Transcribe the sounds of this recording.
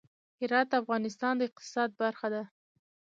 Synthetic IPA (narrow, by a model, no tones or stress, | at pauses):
hɪɾɑt̪̚d̪əafɣɑnɪst̪ɑnd̪əɪq̚t̪ɪ̥sɑd̪̚baɾxad̪a